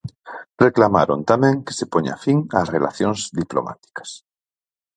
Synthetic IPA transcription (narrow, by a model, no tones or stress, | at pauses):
reklamaɾo̰nt̪amẽŋke̥sepoɲa̰fiŋasrela̰θjoŋzðiplo̰ma̰t̪i̥kḁs